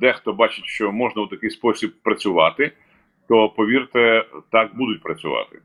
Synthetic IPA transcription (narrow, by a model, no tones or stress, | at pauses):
d̪ɛxt̪ɔbɑt͡ʃɪtʲʃt͡ʃɔmɔʒnɐwt̪ɐkɪjspɔsʲibpːɾɐt͡sʲʊʋɑt̪ɪ | t̪ɔpɔʋʲirt̪ɛt̪ɑk̚bud̪ʊt̚ʲpɾɐt͡sʲʊ̰ʋɑ̰t̪ɪ̥̰